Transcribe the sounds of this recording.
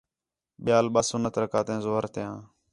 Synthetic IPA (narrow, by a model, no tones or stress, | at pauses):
ɓɪjaːlɓaːsũːnət̪ɾəkaːt̪ẽːzoːəɾt̪ɪjãː